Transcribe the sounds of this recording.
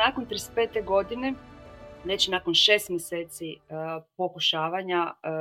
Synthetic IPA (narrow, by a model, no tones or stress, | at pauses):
akont̪ɾispeːt̪eɡo̞d̪ine̞ | ʋe̞t͡ɕnaːko̞nʃeːst̪mʲjese̞ːt̪sipo̞kuʃaːʋaɲa